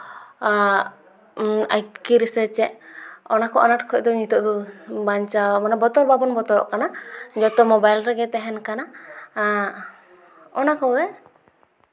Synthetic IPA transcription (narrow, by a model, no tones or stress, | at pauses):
ajt̪kiɾisɛt͡ʃɛʔɔnakɔʔɔ̰naʈkʰɔc̚d̪ɔɲit̪ɔʔd̪ɔbaɲt͡ʃamanabɔt̪ɔɾbabɔnbɔt̪ɔɾɔ̰ʔkanad͡ʒɔt̪ɔmɔbajlɾɛɡɛt̪ɛɦɛnkana | ɔnakɔɡɛ